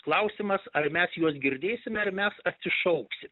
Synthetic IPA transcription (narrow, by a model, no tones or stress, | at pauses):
klˠɐʊsʲɪmɐsɐrmʲæsjuɔsɡʲɪɾʲd̪ʲeːsʲɪmʲɛɐɾmʲɛsɐt̪ʲsʲɪʃɐʊksʲɪm